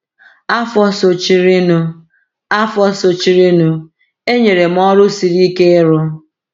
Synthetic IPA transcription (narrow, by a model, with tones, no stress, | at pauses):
a˦fɔ˦so˨t͡ʃi˦ɾi˦nʊ˦ | a˦fɔ˦so˨t͡ʃi˦ɾi˦nu˦ | e˦ɲe˨ɾe˨m̩˦ɔ˦ɾʊ˦si˨ɾi˦ke˦ɾʊ˦